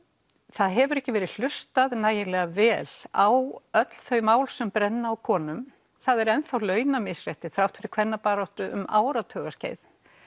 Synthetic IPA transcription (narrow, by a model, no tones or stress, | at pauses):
θaðɦɛvʏɾɛhcɪvɛːɾɪðl̥ʏst̪aðnaːjɪlɛːɣavɛːla̰wœt̪l̥θœɥjmaːwlsɛmpɾɛnːaːwkʰɔːnʏm | θaðɛɾɛnθawlœːɥnamɪsr̥ajht̪ɪθɾawht̪fɪɾɪɾkʰv̥ɛnːapaːɾawht̪ʏʔʏ̰ma̰ːwɾat̪ʰœːɣascḛːjð